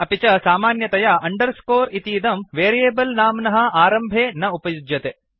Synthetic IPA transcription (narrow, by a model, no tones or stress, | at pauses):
ɐpit͡ʃɐsaːmaːnjɐt̪ɐjɐʔɐɳɖɐɾskoːɾit̪iːd̪ɐmʋeːɾijeːbɐlnaːmnɐɦɐ̆aːɾɐmbʱeːnɐupɐjud͡ʒjɐt̪e